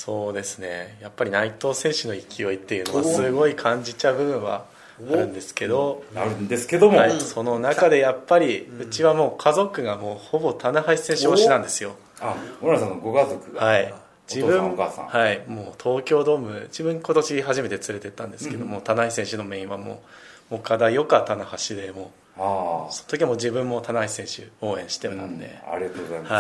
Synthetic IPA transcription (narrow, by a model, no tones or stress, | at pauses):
so̞ːd̪e̞sɨne̞̰japːaɾʲinait̪o̞ːsẽ̞ɰ̃ɕɨno̞ikʲijo̞it̪ːe̞jɯ̟no̞asɨɡo̞ikʰãɲ̟d͡ʑit͡ɕabɯ̟bɯ̟̃ɰ̃βa̰ | aɾɯ̟̃nd̪e̞sɨ̥ke̞d̪o̞aɾɯnd̪esɨ̥ked̪omaiso̞no̞nakad̪e̞japːaɾʲiɯ̟t͡ɕiβamo̞ːkʰazo̞kɯ̟ɡamo̞ːho̞bo̞t̪ʰanaɦaisẽɕioɕinãnd̪e̞sɨjo̞ | aoɾasãnːoɡokazokɯɡahai | d͡ʑibɯ̃kasã̰haimo̞ːt̪ʰo̞ːkʲo̞ːd̪o̞ːmɯ̟d͡ʑibɯ̟̃ŋkot̪o̞ɕiɦaʑime̞t̪e̞t͡sɨɾe̞t̪e̞t̪ːãnd̪e̞sɨke̞d̪o̞moːt̪anaisẽ̞ɕɨno̞mẽ̞ĩβamo̰ːmoːkʰad̪ajokat̪anahaɕid̪e̞moː | sonot̪okʲimo̞ːd͡ʑibɯ̟̃mːo̞t̪anaisẽ̞ɰ̃ɕɨ̰o̞ːẽ̞ɕi̥t̪ena̰nd̪e̞̰a̰ɾʲiat̪ozahai